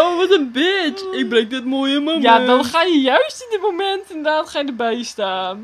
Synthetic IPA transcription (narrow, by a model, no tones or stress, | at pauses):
owʋɔtənbɪtɪk̚brɛŋk̚dɪtmoːjəməjadɔnχaːjəjœɥstɪndəmomɛntɪndədaːtχaːjədəbɛjstaːn